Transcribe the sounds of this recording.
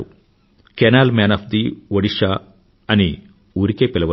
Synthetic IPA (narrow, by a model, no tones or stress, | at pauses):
u | kenaːlmeːnɐpʰd̪iʋɐɽiʂaː | ɐni | uːɾikeːpilɐʋɐ